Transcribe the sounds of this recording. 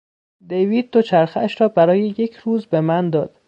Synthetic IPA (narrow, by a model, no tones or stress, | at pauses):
d̪ejviːd̪̚ːot͡ʃʰæɾxææʃɾɒːbæɾɒːje̞je̞cʰɾuːzbe̞mænd̪ɒːd̪̥